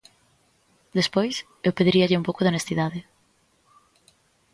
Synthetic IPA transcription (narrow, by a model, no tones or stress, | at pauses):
d̪espojs | ewpeðiɾiɐʎɪumpowkʊðeonest̪iðaðɪ